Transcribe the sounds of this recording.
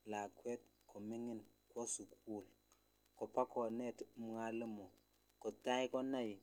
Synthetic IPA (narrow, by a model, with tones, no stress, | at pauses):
la˨kwɛ˦t̚kʰɔ˨mi˦ŋɪ˦n | kwɔ˦su˨ku˦˨l | kɔ˨pa˦kʰɔ˨nɛ˦˨tm˦ŋa˦lɪ˦mɔ˨ | kɔ˨ta˦i˦kɔ˦na˦˨j